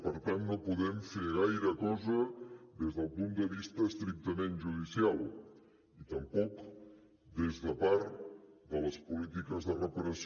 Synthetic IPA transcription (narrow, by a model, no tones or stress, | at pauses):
pəɾt̪anːopuðɛmfeɾɣajɾəkɔzəðezðəlˠpund̪əβist̪əːst̪ɾik̚t̪əmenʒuð̞isialˠ | it̪əmpɔk | d̪ezðəpaɾd̪ələspulit̪ikəzðərəpəɾəs